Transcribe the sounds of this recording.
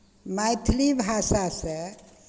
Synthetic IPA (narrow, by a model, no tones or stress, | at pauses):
majt̪ʰlibʱasasə